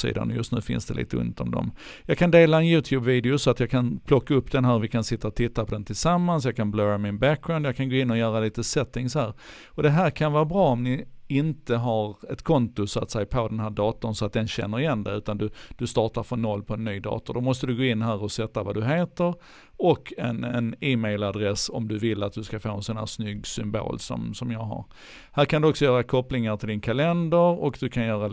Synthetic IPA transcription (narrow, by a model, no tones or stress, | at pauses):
sḭːd̪a̰nɔjɵst̪nʉ̟ːfɪ̰nsd̪ɛ̰lḭːt̪əɵ̰nt̪ɔmd̪ɔ̰mjɑːɡkʰand̪eːlaɛnjʉ̟ːt̪ʰjʉːbviːd̪ɪʊsɔat̪jɑːkʰanpʰlɔkːaɵpːd̪ɛnɦæːɾvɪkʰansɪt̪ːaɔt̪ʰɪt̪ːapʰɔd̪ɛnt̪ʰɪlsamːansjɑːkʰanblœːɾamɪnbæk̚ɡɾaʊnd̪jɑkʰanɡoːɪnːɔjœːɾaliːt̪əsɛt̪ːɪŋsɔhæːɾ | ɔd̪ɛɦæːɾkʰanvɑːɾbɾɑːɔmnɪɪnt̪əɦaɾɛt̪kʰɔnt̪ʊsɔa̰t̪sɛjpʰod̪ɛnhæːɖɑːt̪ʊnsɔat̪̚d̪ɛnɕɛ̰nːəɾɪjɛnd̪ɛ̰ʉ̟ːt̪and̪ɵd̪̥ɵst̪ɑːʈaɾfɔnːɔlːpʰɔɛnːyːd̪ɑ̰ːt̪ʊd̪ɔmɔst̪əd̪ɵɡoːɪnːɦæːɾɔsɛt̪ːavad̪ɵɦeːt̪əɾ | ɔkʰːɛnɛnɪːmɛɪlad̪ɾɛsɔ̰md̪ɵvɪlːat̪̚d̪ɵskafoːɛnsɔnhæ̰ːsnʏɡːsʏmbo̰ːlsɔ̰msɔmjɑːɡɦa̰ɾ | hæːɾkʰand̪ɵɔksɔjœːɾakʰɔplɪŋaʈ̪ʰɪld̪ɪnkʰalɛnd̪əɾɔ̰kd̪ɵkʰanjœːɾa